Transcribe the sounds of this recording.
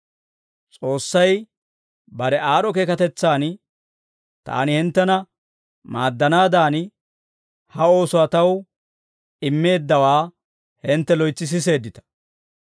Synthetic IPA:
t͡sʼo̞ːsːɐj | bɐɾɛaːɾɔke̞ːkɐt̪ɛt͡sːaːn | t̪a̰ːnɪhɪnt̪ːɛnɐ | maːd̪ːɐnaːd̪aːn | hɐo̞ːsʊɐt̪ɐw | ɪmːe̞ːd̪ːɐwaː | hɪnt̪ːɛlɔjt͡sːɪs̬ɪs̬e̞ːd̪ːɪt̪ɐ̥

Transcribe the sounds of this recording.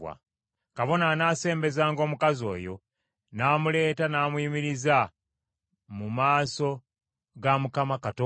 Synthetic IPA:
wa̰ | kaβo̞nanaːse̞ːmbe̞zaːŋɡo̞ːmukazo̞̰ːjo̞̰ | naːmule̞ːtanaːmuiːmiɾiza | mumaːso̞ | ɡamukamakato

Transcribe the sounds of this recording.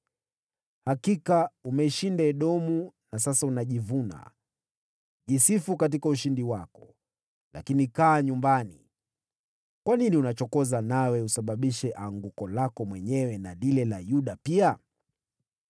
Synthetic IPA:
hakikaumɛiʃindaɛɗɔmunas̬asaunaʄivuna̰ | ʄisifukat̬ikauʃindiwakɔ | la̰kinikaːɲumbanḭ | kwaniniunat͡ʃɔkɔzanawɛusaɓaɓiʃɛʔaŋɡukɔlakɔmwɛɲɛwɛnalilɛlajuɗapia

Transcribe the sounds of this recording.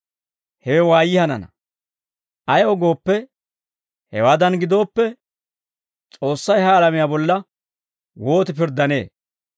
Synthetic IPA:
hɛwɛwaːjɪhɐnɐ̰nɐ̰ | ʔɐjɔɡo̞ːpːɛ | hɛ̰waːd̪ɐnɡɪd̪o̞ːpːɛ | t͡sʼo̞ːsːɐjhɐːlɐmɪjaːbɔlːɐ | wo̞ːt̪ɪpɪɾd̪ːɐne̞̰ː

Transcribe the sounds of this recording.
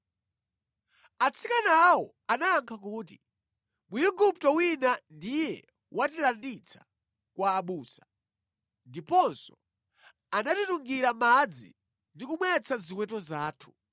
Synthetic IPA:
at͡sʰikanawɔ | anaːŋkʰak̬uːti | mujuɡup̚tɔwinandijɛ̰ | wʔatilandit͡sʰḁ | kwaːɓuːsḁ | ndipɔnsɔ̥ | anatituŋɡiɾamad͡zḭ | ndikumwɛt͡sʰazikwɛt̬ɔzaːtʰu̥

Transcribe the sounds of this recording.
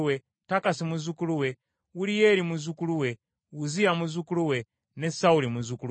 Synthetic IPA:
we | takasimuzukuluwɛ | ulijɛlimuzukuluwɛ | uzijamuzukuluwɛ | nɛsaulimuzuku

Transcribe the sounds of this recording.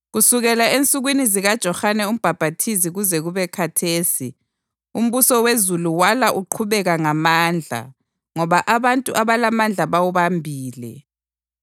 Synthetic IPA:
ɣusuɣɛlaent͡sʼuɣwiniziɣad̥ʒ̥ʱɔxanɛum̩b̥ʱab̥ʱatʰiziɣuzɛɣuβɛkʰatʰeːsḭ | um̩βusɔwezuluwalaʔuǃʰuβɛɣaŋamaːnd͡ɮʱa̰ | ŋɔβaʔaβantʼuʔaβalamand͡ɮʱaβawuβambʱiːlɛ̰

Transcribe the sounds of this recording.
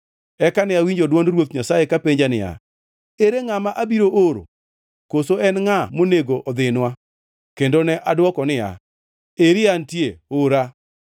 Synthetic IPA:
ɛkanɪawiɲd͡ʒodwɔnɾwot̪̚ɲasajekapeɲd͡ʒanɪja̰ | eɾeŋamaʔabiɾoʔoɾo̰ | kosoɛnŋamoneɡoʔɔd̪ɪnwa | kendonɛʔadwɔkɔnɪja̰ | eɾɪantjeoɾa

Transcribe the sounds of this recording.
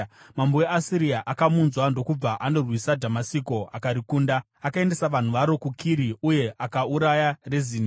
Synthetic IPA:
mambowe̞asiɾiaʔakamunzwando̞kub͡vaʔano̞rwisadʱamasiko̞akaɾikuːnda | akae̞nde̞saʋan̤uʋaɾo̞kukʰiɾiuje̞ʔakauɾajarezini

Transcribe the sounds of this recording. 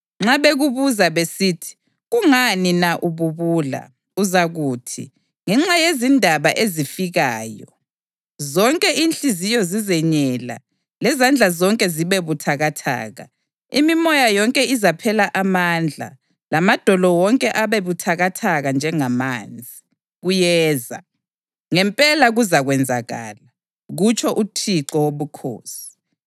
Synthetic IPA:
ŋ͡ǁaβeɣuβuzaβesiːtʰi̥ | ɣuŋaninaʔuβuβuːla̰ | uzaɣuːtʰḭ | ŋɛŋ͡ǁajezindʱaβaʔezifiɣaːjɔ̰ | zɔŋkʼɛʔinɬizijɔzizɛɲɛla̰ | lɛzand͡ɮʱazɔŋkʼɛziβeβutʰaɣatʰa̰ːɣa̰ | imimɔjajɔŋkʼɛizapʰɛlaʔamand͡ɮʱa̰ | lamad̥ʱɔlɔwɔŋkʼɛʔaβeβutʰaɣatʰaɣand͡ʒʱɛŋamaːnd͡zʱi | ɣujɛːza̰ | ŋɛmpʼɛlaɣuzaɣwɛnd͡zʱaɣa̰ːla | ɣut͡ʃʰɔʔutʰiǃɔwoβukʰo̰ːsi̥

